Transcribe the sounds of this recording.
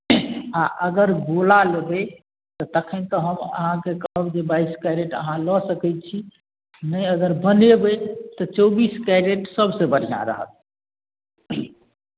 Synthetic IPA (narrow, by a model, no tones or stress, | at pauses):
aʔəɡəɾɡolalebe | t̪ɔt̪əkʰənt̪ɔɦəmə̰ɦãkekəɦəbd͡ʒebaiskajɾeʈə̰ɦãlɔsəkɛt͡ʃʰi | nəjəɡəɾbənebet̪ɔt͡ʃɔbiskaɾeʈsəbʱsẽbəɽ̤ijã̰ɾə̰ɦə̰t̪̚